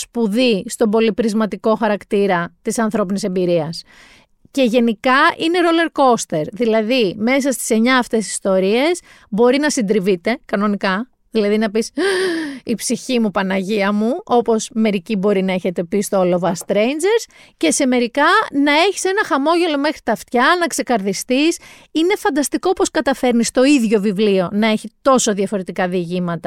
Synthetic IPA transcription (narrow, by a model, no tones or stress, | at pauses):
spuðist̪o̞bo̞lipɾizmɐt̪iko̞xɐɾɐkt̪iɾɐt̪isɐnθɾo̞pinise̞mbiɾiɐs | ce̞ʝe̞nikɐine̞ɾo̞le̞ɾko̞st̪e̞ɾðilɐðime̞s̬ɐst̪i̥se̞ɲɐːft̪e̞si̥st̪o̞ɾie̞s | bo̞ɾinɐsind̪ɾivit̪e̞kɐno̞nikɐ | ðilɐðinɐpis | ipsiçimupɐnɐʝiɐmuo̞po̞sme̞ɾicibo̞ɾinɐe̞çe̞t̪e̞pist̪oolovɐst̪ɾe̞jnd͡ʒe̞ɾs | ce̞se̞me̞ɾikɐnɐe̞çi̥se̞nɐxɐmo̞ʝe̞lo̞me̞xɾit̪ɐft̪çɐnɐkse̞kɐɾðist̪is | ine̞fɐnd̪ɐst̪iko̞po̞skɐt̪ɐfe̞ɾnist̪o̞iðʝo̞vivlio̞nɐe̞çit̪o̞so̞ðjɐfo̞ɾe̞t̪ikɐðiʝimɐt̪ɐ